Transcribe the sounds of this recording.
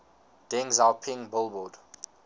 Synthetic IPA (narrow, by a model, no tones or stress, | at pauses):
d̥ɛ̃ŋzalpʰɪ̃ŋbʊlˠbɔd̥